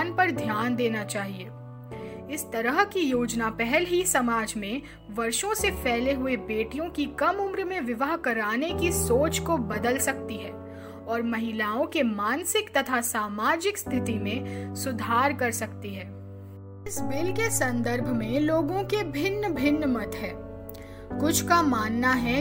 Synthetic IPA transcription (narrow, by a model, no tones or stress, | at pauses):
npɐɾd̪ʱjaːnd̪eːnat͡ʃaːɦieː | ɪst̪ɐɾəɦkijoːd͡ʒnapɛɦɛlɦisɐmaːd͡ʒmẽ | ʋɐɾʃõsepʰɛːleɦʊebeːʈijõkikɐmʊmɾmẽʋɪʋəɦkɐɾaːnekisoːt͡ʃkobɐd̪əlsɐkt̪iɦɛː | ɔːɾmɐɦɪlaːõkemãːnsɪkt̪ɐt̪ʰasaːmaːd͡ʒɪkst̪ʰɪt̪imẽsʊd̪ʱaːɾkɐɾsɐkt̪iɦɛː | ɪsbɪlkesɐ̃nd̪əɾbʱmẽloːɡõkebʱɪnːəbʱɪnːmɐt̪ɦɛː | kʊt͡ʃʰkamaːnːaɦɛ